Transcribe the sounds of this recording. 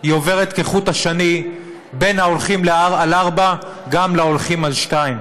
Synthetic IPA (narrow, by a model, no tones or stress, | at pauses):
hio̞ve̞ʁet̪keχut̪haʃani | be̞nhaolχimleaalaʁba | ɡamlao̞lχimalʃtaim